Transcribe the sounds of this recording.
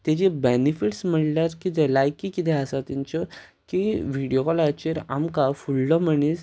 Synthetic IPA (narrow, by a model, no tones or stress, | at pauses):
t̪ed͡ʑebɛnifiʈsm̤əʈljaɾkit̪ɛlajkːikit̪ɛ̃əsat̪iɲt͡ɕɔ | kiʋiɽijokalat͡ɕeɾa̰mkafulːɔm̤əɳis